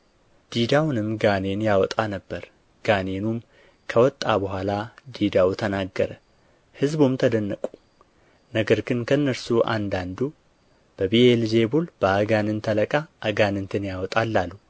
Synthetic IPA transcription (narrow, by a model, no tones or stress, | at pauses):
d̪̥id̪awnɨmɡane̞njawɔt̪ʼanəbːəɾ | ɡ̥ane̞num | kʰəwɔt̪ʼːabəhʷalad̪id̪awt̪ʰənaɡːəɾə | hɨzbumt̪ʰəd̪ənːəkʼu̥ | nəɡəɾɡɨnkʰənːəɾsuʔa̰nd̪and̪u | b̥əβielze̞bulb̥əaɡanɨnt̪ʰələkʼaʔaɡanɨnt̪ʰɨnjawɔt̪ʼalːalːu